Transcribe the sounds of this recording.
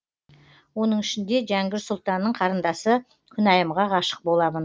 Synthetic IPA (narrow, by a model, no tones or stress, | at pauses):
wo̞nəɴɪʃɪnd̪e̞ʒæŋɡʲɪɾsʊlˠt̪ɑnːəɴqʰɑɾənd̪ɑsə | kʲʰʏnɑjəmʁɑʁɑʃə̥q̚bo̞lˠɑmən